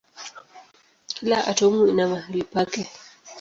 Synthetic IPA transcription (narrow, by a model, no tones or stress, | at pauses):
laʔa̰tomuinamaɾipakɛ